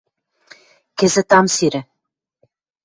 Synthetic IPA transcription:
kɘ̆zɘ̆t̪ɑmsiɾɘ̆

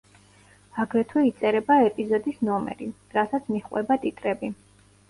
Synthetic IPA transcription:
aɡɾɛt̪ʰwɛit̪sʼɛɾɛbaɛpʼizɔd̪isnɔmɛ̰ɾi | ɾasat̪sʰmiχʼwɛ̰bat̪ʼit̪ʼɾɛbi

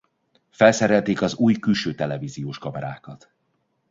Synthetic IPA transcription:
fɛlsɛɾɛlt̪eːkɒzuːjkylʃøːt̪ɛlɛvizijoːʃkɒmɛɾa̰ːkɒt̪

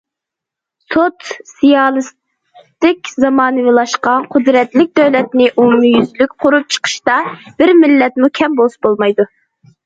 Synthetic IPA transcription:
sot̪sijɑːlˠɨs | t̪ɪkʲzɑmɑːnɨvɨlˠɑʃqɑnqʰʊd̪ɾɛt̪lɪk̚ʲd̪øwlɛt̪nɪʔumjyzlykʲqʰʊɾup̚t͡ʃʰə̥qʰə̥ʃt̪ɑb̥ɪɾmɪlːɛt̪mukʲʰɛmbolˠsbolˠmɑjd̪u

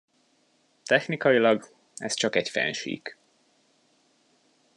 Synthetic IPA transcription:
t̪ɛxnikɒjilɒɡ | ɛ̰st͡ʃɒkɛcfɛ̰nʃḭk

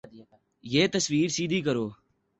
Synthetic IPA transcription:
jeːt̪əsʋiːɾsiːd̪ʱiːkəɾoː

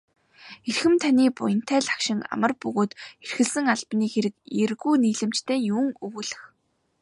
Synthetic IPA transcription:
erxɘ̆mt̪ʰaniːpʊ̰jə̆n̥t̪ʰæːɮḁkʃɪ̆ŋa̰mə̆rpɵɣoːt̪erxɘ̆ɮsɘ̆ŋaɮpniːxeɾɘ̆kerɣuːniːɮɘ̆m̥t͡ɕt̪ʰeːjuːŋɵwuːɮɘ̆x

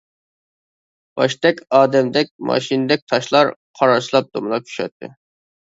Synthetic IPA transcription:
b̥ɑʃt̪ɛkʲɑːd̪ɛmd̪ɛk̚ʲmɑ̰ʃind̪ɛk̚ʲt̪ʰɑʃlˠɑɾqʰɑɾɑɾt͡ʃʰlˠɑp̚d̪omɨlˠɑkʲʰy̥ʃɛ̰t̪ʰːɪ̰

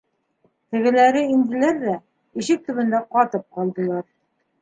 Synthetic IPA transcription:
t̪ɘ̆ɡɘ̆læɾɘind̪ɘ̆læɾðæ | iʃɘk̚t̪ɵ̆βɘ̆nd̪æqɑt̪ɤp̚qɑlˠd̪ɤ̆lˠɑɾ

